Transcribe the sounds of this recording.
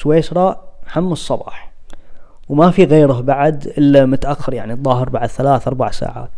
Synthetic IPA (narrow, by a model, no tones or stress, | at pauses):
weːʃɾˤɑːʔhamːɑsˤːɑbɑ̰ːħ | wmafiɣeːɾʊɦbaʕd̪ʔɪlːamʊt̪ʔaxːɪɾjaʕniðˤːɑːɦəɾbaʕd̪θalaːθʔɑɾˤbaʕsa̰ːʕa̰ːt̪